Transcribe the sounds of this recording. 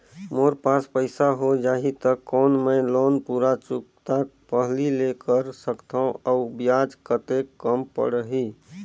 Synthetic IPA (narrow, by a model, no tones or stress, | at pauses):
moɾpaspəɪsaɦod͡ʒaːɦit̪əkːɔːnməloːnpuɾat͡ʃukt̪ak̚pəɦlilekəɾsəkt̪ʰãəubjad͡ʒkət̪ekːəmpə̰ɽəɦi